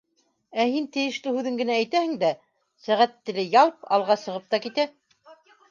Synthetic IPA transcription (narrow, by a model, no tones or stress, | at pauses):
æhint̪ɘ̆jɘ̆ʃlɘhʉðɘŋɡɘ̆næːjt̪æhɘ̆ŋd̪æ | sæʁæt̪ːɘ̆lɘjɑlˠpɑ̰lˠʁɑsɤ̆ʁɤp̚t̪ɑkit̪æ